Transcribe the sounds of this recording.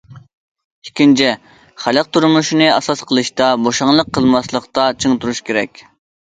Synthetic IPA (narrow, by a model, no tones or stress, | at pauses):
ikʲint͡ʃʰɛ | χælˠəq̚t̪ʰuɾmuʃinɨɑsɑsqʰəlˠɨʃt̪ɑboʃɑŋlˠəqʰːəlˠmɑslˠəqt̪ɑt͡ʃʰəŋt̪ʰuɾuʃkʲeɾɛ̰kʲ